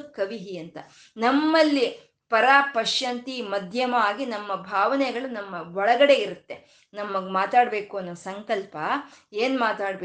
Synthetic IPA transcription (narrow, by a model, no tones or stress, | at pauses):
kɐʋiɦiɐnt̪ɐ | nɐmːɐlːi | pɐɾaːpɐʃjɐnt̪imɐd̪ʱjɐmɐaːɡinɐmːɐbʱaːʋɐnɛɡɐɭunɐmːɐʋɔɭɐɡɐɽe̞iɾut̪ːe̞ | nɐmːɐɡmaːt̪aːɽbe̞ːkuɐnːɐːsɐŋkɐlpɐeːnumaːt̪aːɽbe